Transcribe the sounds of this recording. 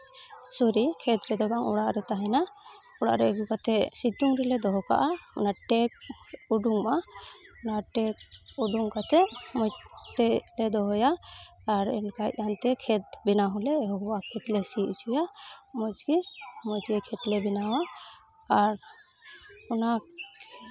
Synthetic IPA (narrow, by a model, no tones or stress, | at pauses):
sɔɾikʰɛt̪ɾɛd̪ɔbaŋɔ̰ɽaʔɾɛt̪aɦɛna | ɔɽa̰ʔɾɛɛɡukat̪ɛsit̪uŋɾɛlɛd̪ɔɦɔka̰ʔaɔ̰naʈɛk̚uɖuŋmanaʈɛk̚uɖuŋkat̪ɛʔmɔjt̪ɛlɛd̪ɔɦɔjaː | ɾɛ̰nkajʔ̚ant̪ɛkʰɛt̪̚bɛnaɦɔlɛɦɔɦuwakʰɛt̪lɛsiʔut͡ʃujamɔt͡ʃɡimɔt̪ɛkʰɛt̪lɛbinawaː | ɾ | una